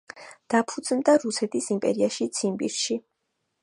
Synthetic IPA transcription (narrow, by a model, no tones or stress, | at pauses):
d̪̥apʰud̪z̥nd̪aɾusɛt̪ʰisimpʼɛ̰ɾiaʃit̪sʰimbḭɾʃi